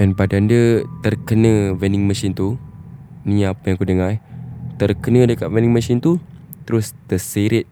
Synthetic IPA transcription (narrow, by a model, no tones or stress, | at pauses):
ɛnbadandət̪ərkənə̃vɛnɪŋməsɪnt̪u | nĩapəjaŋkudəŋat̪ərkənə̃dəkat̪̚vɛniŋməsɪnt̪ut̪əɾʊst̪əsiɾɪt̪̚